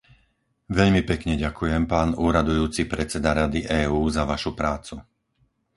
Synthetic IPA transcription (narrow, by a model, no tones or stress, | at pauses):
ʋɛʎmipɛkɲɛɟakujɛmpaːnuːɾad̪ujuːt͡sipɾɛt͡sɛd̪aɾad̪iʔɛːuːzaʋaʃupɾaːt͡su